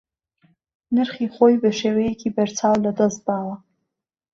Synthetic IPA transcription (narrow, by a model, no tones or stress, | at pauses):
nɨrχiχʷojbaʂewejkʰʲibart͡sʰawladazbala